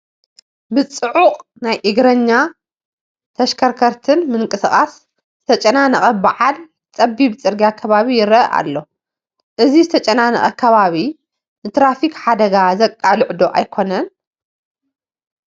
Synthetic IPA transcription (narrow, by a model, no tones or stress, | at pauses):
bɨt͡sʼɨʕuqʼ | najʔɨɡɾɐɲːa | t̪ʰɐʃkʰɐɾkʰɐɾt̪ʰɨnmɨŋkʼɨsɨχʼas | zɨt̪ʰɐt͡ʃʼɐnanɐχʼɐbaʕal | t͡sʼɐbibt͡sʼɨɾɡijakʰɐβaβijɪɾɐʔa̰lːo̞ | ʔɨzizɨt̪ʰɐt͡ʃʼɐnanɐ̰χʼɐkʰɐβaβi | nɨt̪ʰɾafikħad̪ɐɡazɐkʼːalɨʕd̪o̞ʔajkʰo̞nɐn